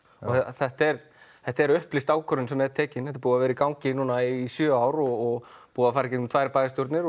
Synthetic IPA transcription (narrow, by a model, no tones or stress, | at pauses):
ɔθɛht̪ɛɾ | θɛht̪aɛɾʏhplɪst̪aːwkʰœɾʏnsɛmːɛðt̪ʰɛːcɪnθɛht̪aɾpuːðavɛːɾɪikawŋcɪnuːnaisjœːaːwɾɔɔɣpuːðafaɾɛcɛt̪mt̪vaːjɾpaːjɣɪst̪jɔɾt̪nɪɾ